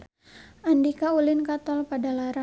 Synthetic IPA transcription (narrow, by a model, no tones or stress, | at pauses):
ʔandikaulɪnkat̪ɔlpadalaɾa